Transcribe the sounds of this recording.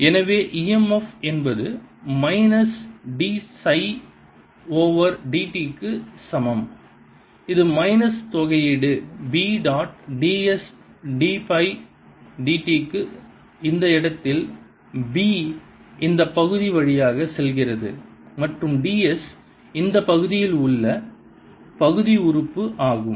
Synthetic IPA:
ɛnɐʋeːʔiɛmɐfɛnbɐðɯmɐɪnɐsɖiːsɐɪ | oːʋɐɾɖiːʈikːɯsɐmɐm | ɪðɯmɐɪnɐst̪ɔɣɐjɪɽɯbiːɖaːʈɖiːɛsɖiːpɐɪ | ɖiːʈikːɯ | ɪnd̪ɐɪɽɐt̪ːɪl | biː | ɪnd̪ɐpːɐɣɯðiʋɐɻɪjaːɣɐsɛlɣɪrɐðɯ̰mɐʈrɯmɖiːɛs | ɪnd̪ɐpːɐɣɯðɪjɪlʊɭːɐ | pɐɣɯðiʊɾɯpːɯʔaːɣɯm

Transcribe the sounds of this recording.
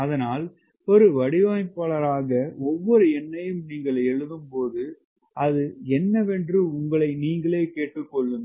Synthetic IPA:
ɐðɐnaːl | pɔɾɯʋɐɽɪʋaːjpːɐɭɐɾaːɣɐɔʋːɔɾɯɛnːɐjɯmniːŋɡɐɭɛɻɯðɯmpoːðɯ | ʔɐðɯɛnːɐʋɛndrɯʊŋɡɐɭɐɪniːŋɡɐɭeːkeːʈːɯkːɔɭːɯn

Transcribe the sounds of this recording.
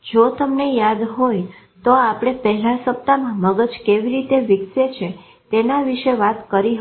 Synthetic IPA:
d͡ʒot̪əmnejad̪ɦoj | t̪oapəɽ̃epɛɦɛlasəp̚t̪amãməɡəd͡ʒkeʋiɾit̪eʋɪkset͡ʃʰe | t̪enaʋiʃeʋat̪kəɾiɦ

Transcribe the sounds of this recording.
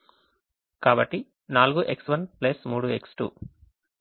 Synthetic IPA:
kaːbɐʈːi | naːluɡuʔe̞ksʋɐnplɐsmuːɽue̞ksʈṵː

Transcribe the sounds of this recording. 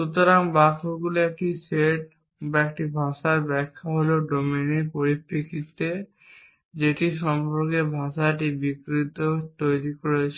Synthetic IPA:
ʃut̪oɾaŋbakʰoɡuloek̚ʈiseʈ̚ | baek̚ʈibʱaʃaɾbɛkʰːaɦoloɖomeniɾpoɾipɾikʰit̪e | d͡ʑeʈiʃɔmpɔɾkebʱãʃaʈibikɾit̪ot̪ojɾikoɾet͡ɕʰ

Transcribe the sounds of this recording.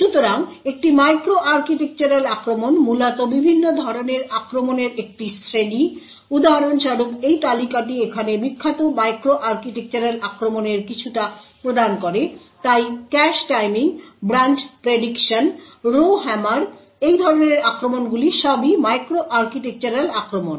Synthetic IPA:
ʃut̪oɾaŋek̚ʈimajkɾoʔaɾkiʈek̚t͡ɕaɾelakɾomonmulat̪obibʱinːod̪ʱɔɾoneɾakɾomoneɾek̚ʈisɾeni | ud̪aɦaɾonʃaɾukejt̪alikaʈiekʰanemikʰːat̪omajkɾoʔaɾkiʈek̚t͡ɕaɾelakɾomoneɾkit͡ɕʰuʈapɾod̪ankoɾe | t̪ajkɛʃʈajmiŋbɾant͡ɕpɾeɖikʃan | ɾoɦɛmaɾ | ejd̪ʱɔɾoneɾakɾomonɡuliʃɔbimajkɾoʔaɾkiʈek̚t͡ɕaɾelakɾomon

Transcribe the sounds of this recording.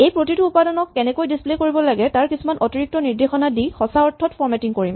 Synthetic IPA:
ejpɹotituupadɔnɔkːɛnɛkojdisplekoɹibɔlaɡɛtaɹkisumanʔɔtiɹik̚tɔniɹdexɔnadixɔsaɔɹtʰːɔtfʰɔɹmɛtiŋkoɹim

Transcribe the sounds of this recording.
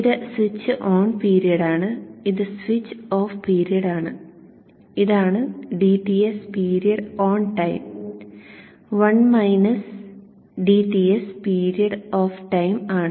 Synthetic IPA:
iðɨswit͡ɕːɨʔoːɳpiːɾijɐɽaːɳɨiðɨsʋit͡ɕːoːfpiːɾijɐɽaːɳɨ | iðaːɳɨɖiːʈiespiːɾijɐɽoːɳʈɐjm | ʋɐnmɐjnɐs | ɖiʈiespiːɾijɐɽoːfʈɐjmaːɳɨ

